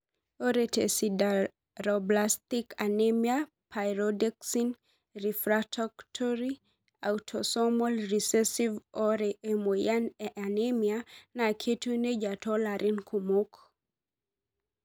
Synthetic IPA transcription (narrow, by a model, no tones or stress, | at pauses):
oɾetḛsida | ɾɔblastikanemia | pʰajɾɔdɛksin | rifɾatʰɔktʰɔɾi | awtʰɔsɔmɔlrisɛsivɔɾɛʔemojananemianakʰetuned͡ʒatɔlaɾinkʰumok